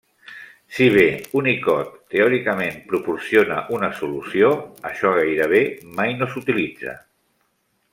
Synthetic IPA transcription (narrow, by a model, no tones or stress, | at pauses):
siβ̞eunikɔt̪ːeɔɾikəmempɾupuɾsionə̰ʔunəsulusijoəʃɔɣ̞ajɾəβ̞emajnosut̪ilid͡zə̰